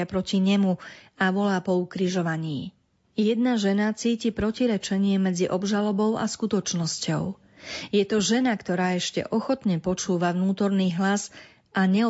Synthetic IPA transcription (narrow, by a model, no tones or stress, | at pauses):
apɾɔciɲɛmuaʋɔlaːpɔukɾiʒɔʋaɲiː | jɛd̪̚naʒɛnat͡siːcipɾɔciɾɛt͡ʃɛɲɪɛmɛd͡ziʔɔbʒalɔbɔʊa̰skut̪ɔt͡ʃnɔscɔ̰ʊ | jɛt̪ɔʒɛnakt̪ɔɾaːɛʃcɛ̰ʔɔxɔt̪ɲɛpɔt͡ʃuːʋaʋnuːt̪ɔɾniːɦlaz | ʔaɲɛɔ